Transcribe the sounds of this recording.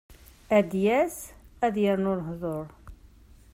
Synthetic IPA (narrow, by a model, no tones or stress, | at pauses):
æd̪jæsæðjəɾnʊɾɦðˤoɾˤ